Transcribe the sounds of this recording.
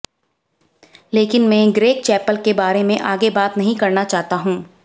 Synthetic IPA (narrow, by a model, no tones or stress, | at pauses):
leːkɪnmɛ̃ːɡɾeːk̚t͡ʃɛːpəlkebaːɾemẽʔaːɡebaːt̪nɐɦĩkɐɾnat͡ʃaːɦt̪aɦũː